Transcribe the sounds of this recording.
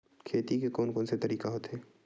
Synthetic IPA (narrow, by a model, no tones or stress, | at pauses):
kʰeːt̪ikekɔːnkɔːnset̪ɐɾiːkaɦot̪ɦɛː